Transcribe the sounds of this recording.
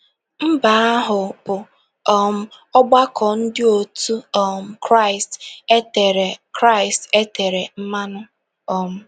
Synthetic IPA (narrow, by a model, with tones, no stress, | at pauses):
m̩˦ba˨˦a˦ɦʊ˨pʊ˨ | ɔ˦m̩˦ | ɔ˦ɡ͡ba˦kʰɔ˨n̩˦dɪ˦o˨tu˦ɔ˨m̩˦kɾa˦˨ɪ˨ste˦te˨ɾe˨kɾa˦˨ɪ˨ste˦te˨ɾe˨m̩˦ma˦nʊ˦ | ɔ˨m̩˦